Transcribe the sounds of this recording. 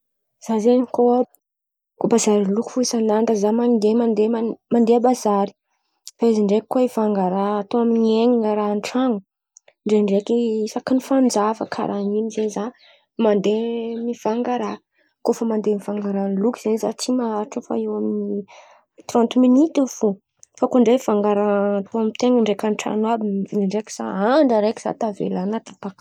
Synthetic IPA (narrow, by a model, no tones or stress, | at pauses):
z̥azeɲiko | kobazaɾiluku̥fuisanant̪əzamand̪emand̪eamand̪eabazaɾi̥ | faeziɳɖ͡ʐeki̥kːoivaŋɡaɾaːt̪oaminieɲiŋəɾaɳʈ͡ʂaŋu | ɳɖ͡ʐeɳɖ͡ʐekisakinifand͡zavə̰kʰa̰ɾʔaninizeniza | mand̪emiv̥aŋɡaɾa | kofəmand̪emivaŋɡaɾanlukiz̥eniza̰t͡simaʈ͡ʂufa̰ewamini | t̪rɔnt̪minit̪efo | fakoɳɖ͡ʐevaŋɡaɾaat̪ʰoamit̪eŋəɳɖ͡ʐekʲanʈ͡ʂa̰nwabiiɳɖ͡ʐekz̥a̰aɳɖ͡ʐəɾeki̥z̥a̰t̪avḛlanat̪ḁpak